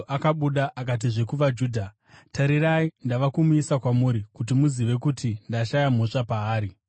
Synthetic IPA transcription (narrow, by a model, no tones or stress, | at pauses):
ʔakaɓuɗaʔakat̬iʐe̞kuʋad͡ʒuːdʱa | taɾiraindaʋakumuisakwamuːɾikut̬imuziʋe̞kutindaʃajam̤oʂapaːɾi